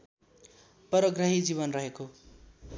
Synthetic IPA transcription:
pʌɾʌɡrʌɦid͡ziβʌnrʌɦeko

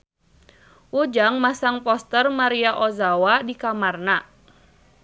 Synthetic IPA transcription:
ʔud͡ʒaŋmasaŋpɔst̪ərmaɾiaʔɔzawadikamarna

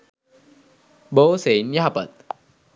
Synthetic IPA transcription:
boːsenjaɦapə̰t̪̚

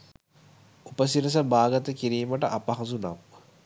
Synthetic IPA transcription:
upəsiɾəs̬əbaːɡɐt̪əkiɾiːməʈəʔapɐɦɐzuna̰ʋ

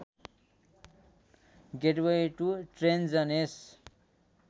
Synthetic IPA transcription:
ɡeʈwejʈuʈrend͡zʌnes

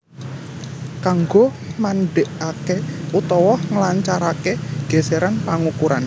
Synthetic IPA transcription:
kaŋɡo | manɖeʔakeut̪ɔwɔhŋəlaɲt͡ʃaɾakeɡ̥ɛ̤seɾanpaŋukuɾan

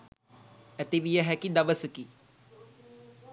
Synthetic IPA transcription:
ɛt̪eʋijɛɦɛkid̪ɐʋəsəki

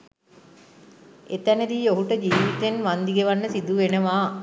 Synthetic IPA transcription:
et̪ænəd̪ioɦuʈəd͡ʒiːʋit̪enʋand̪iɡeʋanːəsid̪uʋenəʋaː

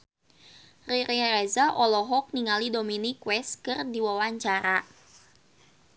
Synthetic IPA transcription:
riɾiɾɛzaʔɔlɔɦɔk̚niŋalidominikwɛskɨrdiwawaɲt͡ʃaɾa

